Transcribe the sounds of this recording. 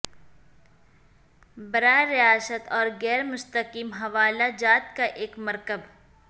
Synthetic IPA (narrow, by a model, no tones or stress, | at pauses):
bɐɾaːeɾːɪaːsət̪ɔːɾɡɛːɾmʊst̪əkiːmɦɐʋaːlad͡ʒaːt̪kaʔeːkmɐɾkəb